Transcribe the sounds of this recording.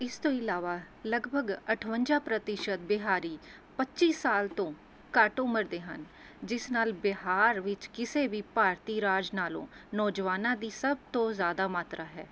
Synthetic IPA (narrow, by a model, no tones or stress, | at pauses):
ɪst̪õːɪlaːʋaː | ləɡbʱəɡəʈʰʋəɲd͡ʒaːpɾət̪ɪʃət̪̚bɪɦaːɾiː | pətːt͡ʃʃiːsːaːlt̪õː | kəʈʊməɾd̪eːɦən | d͡ʒɪsnaːlbɪɦaːɾʋɪt͡ʃkɪseːʋiːpaːɾt̪iːɾaːd͡ʒnaːlõ̰ːnɔːd͡ʒʋaːnãːd̪iːsəb̚t̪õːzjaːd̪aːmaːt̪ɾaːɦɛ̰ː